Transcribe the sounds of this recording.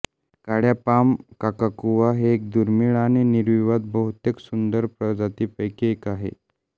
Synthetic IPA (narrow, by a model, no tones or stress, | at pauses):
kaɽjapamkakakuʋaɦeːk̚d̪uɾmiɭañiniɾʋiʋad̪̚bəɦut̪jeksund̪əɾpɾəd͡zat̪iːpəjkeekaɦḛ